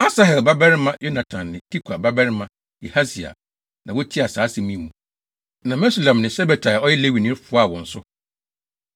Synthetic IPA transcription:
a˦sa˦ɦɛ˨lba˦bɛ˦ɾɪ˦mã˦jo˦nã˨tʰã˨nːɪ̃˨tʰi˦kʰa˨ba˦bɛ˦ɾɪ˦mã˦ | ḭ˨ha˦si˨a̰˨ | nã˨wʊ˦tʰi˦a˨saː˨˦sɪ˨mĩ˦mũ˨ | nã˨mɛ˦su˨lã˨mnɪ̃˨sɛ˦bɛ˨tʰa˨ɔ˦jɛ˦le˦wi˨nɪ̃˦ɾfʊ˨˦a˦˨wɔ̃˨n̩˦sʊ˦

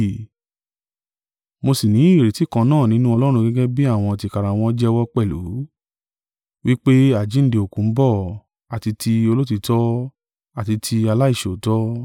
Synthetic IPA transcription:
mo˧si˨nĩ˨˦˨ɾe˨ti˨˦˨kã˧nãː˦˨nĩ˦nũ˦ɔ˧lɔ˦ɾ̃ũ˧ɡɛ˦ɡɛ˦bi˦a˦˨w̃ɔ̃˧a˨ti˧ka˧ɾa˨w̃ɔ̃˧˦d͡ʒɛ˦wɔ˦k͡pɛ˦˨lṵ˨˦ | wi˦k͡pe˦a˦˨d͡ʒĩ˨˦n̩˦di˧o˨kũ˨˦m̩˦bɔ˦˨ | a˨ti˧tʰi˧o˧lo˦t̬i˧tɔ˦ | a˦˨ti˧tʰi˧a˧la˦i˦˨ʃo˨tɔ˦

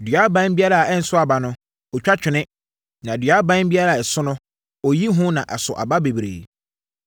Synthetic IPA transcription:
dɥa˨˦bã˦n˦bi˦a˦ɾa˦˨a˨ɛ˦n̩˨˦sʊ˦a˨ba˨nʊ̃˦ | ɔ˨t͡ɕᶣa˦t͡ɕᶣɪ˨nɪ̃˦ | nã˨dɥa˨˦bã˦n˦bi˦a˦ɾa˦˨ɛ˨sʊ˦nʊ̃˦ | ɔ˨ji˦ɦʊ̃˦nã˨ʔa˨sʊ˨ʔa̰˨ba˦be˨bɾḛː˨

